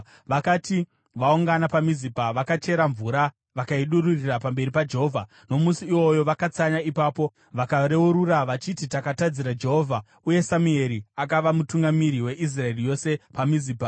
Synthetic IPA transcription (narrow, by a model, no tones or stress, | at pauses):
ʋakati | ʋauŋɡanapamizipaʋakat͡ʃe̞ɾaɱvuɾa | ʋakaiɗururirapambe̞ɾipad͡ʒe̞ɦo̞ːvʱa̰ | no̞musiːwo̞jo̞ʋakat͡saɲaipaːpo̞ | ʋakaɾe̞uɾuraʋat͡ʃititakatad͡ziɾad͡ʒe̞ɦo̞vʱa | uje̞samue̞ɾiakaʋamutuŋɡamiɾiwe̞ʔis̬raerijo̞se̞pamiziːpa